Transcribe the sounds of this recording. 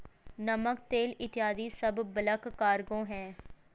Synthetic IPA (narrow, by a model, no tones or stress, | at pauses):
nəmək̚t̪eːlɪt̪ɪjaːd̪iːsəbːələkːaːɾɡõːɦɛ̃ː